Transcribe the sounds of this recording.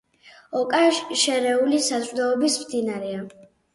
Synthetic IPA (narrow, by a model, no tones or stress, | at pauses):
ɔkʼaʃʃɛɾɛulisat̪ʼɾd̪aɔbismd̪inaɾɛa